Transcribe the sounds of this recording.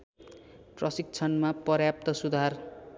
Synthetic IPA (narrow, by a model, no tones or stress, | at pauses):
prʌsik̚t͡sʰʌnmapʌrjap̚t̪ʌsud̪ʱar